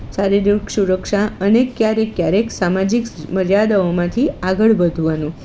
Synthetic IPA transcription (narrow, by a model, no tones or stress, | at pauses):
saɾid̪uɾksuɾəkʃaənekjaɾekjaɾeksamad͡ʒikməɾjad̪əomãt̪ʰiaɡəɭbəd̪ʱuʋanũ